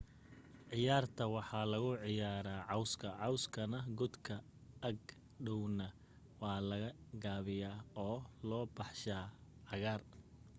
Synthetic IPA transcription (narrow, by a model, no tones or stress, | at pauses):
ʕɪjaːrt̪ʰɐwɑħɑːlɐɣʊʕɪjaːɾaːʕɑwskʰɐʕɑwskʰɐnɐɡʊd̪kʰɐ | ɐɡ | ɖɔwnɐ | wɑːlɐɣɐɡaːβɪjaːɔːlɔːbɑħʃaːʕɑɣaːr